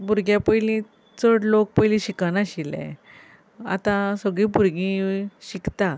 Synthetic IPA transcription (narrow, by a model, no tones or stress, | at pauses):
bʱuɾɡjapəjlĩ | t͡səɽlok̚pəjlĩɕikanaɕilɛ̰̃ | a̰t̪ãsəɡɭĩːbʱuɾɡĩɕikt̪a